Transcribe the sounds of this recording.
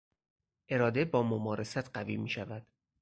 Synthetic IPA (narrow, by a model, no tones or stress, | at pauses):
ʔe̞ɾɒːd̪ebɒːmomɒːɾʔesæt̪ʰɢævḭmiːʃævæd̪̥